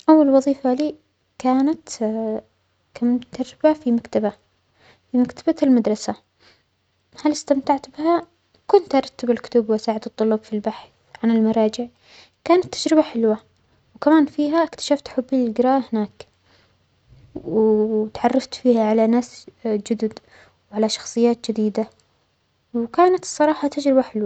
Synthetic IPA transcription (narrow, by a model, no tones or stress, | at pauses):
ʔawːalwɑðˤiːfaliː | kaːnat̪ | kamt̪ːad͡ʒɾɪbafimakt̪aba | fimakt̪abalmad̪ɾˤɑsa | halɪst̪amt̪aʕt̪bɪha | kʊnt̪ʔɑɾˤɑt̪ːabalkʊ̥t̪ʊbwʔasaːʕɪd̪ɨt̪ˤːʊlɑbfilbaħθ | ʕanɪlmɑɾˤɑːd͡ʒɪʕ | kaːnat̪ːad͡ʒɾɪbaħɪlwa | wkamaːnfiːɦaʔɪkt̪ḁʃaft̪ħʊbːiɪlɡɪɾɑːʔhɪnaːk | wt̪ʕɑrˤːɑft̪fiːhaʕalanaːsd͡ʒʊd̪ʊd̪ | wʕalaʃɑ̥xsˤɨjːaːt̪̚d͡ʒɪd̪iːd̪a | wkaːnat̪sˤːɑɾˤɑːħɑt̪ad͡ʒɾɪbaħɪlwa